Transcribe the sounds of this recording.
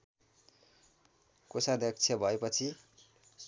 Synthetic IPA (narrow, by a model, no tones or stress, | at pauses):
kosad̪ʌk̚t͡sʰjʌbʱʌepʌt͡sʰi | s